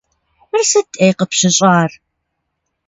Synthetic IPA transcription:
mɨrsɐtʼejqəpɕɪɕʼɑːr

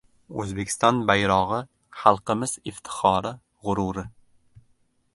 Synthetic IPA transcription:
ɵ̰zbekʲɪ̥st̪ɒnbajɾɒʁɨ | χalˠqɨmɪzɪft̪ʰɪ̥χɒɾɪ | ʁʊɾuɾɪ

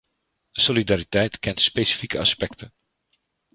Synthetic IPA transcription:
d̥əsolidaɾitɛjtkɛntspejsi̥fikəɑ̰spɛktən

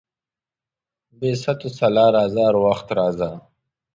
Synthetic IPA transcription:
beːsɐt̪usɐlaːɾaːzaːɾwaxt̪ɾaːza

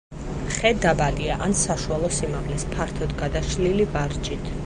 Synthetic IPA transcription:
χɛd̪abaliaʔansaʃualˠɔsimaʁlɛspʰaɾt̪ʰɔd̪ɡad̪aʃlilibaɾd͡ʒit̪ʰ

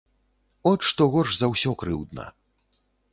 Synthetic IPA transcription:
ɔʂt̪ɔɣɔrʂzɐwsʲɔkɾɨwd̪nɐ̰

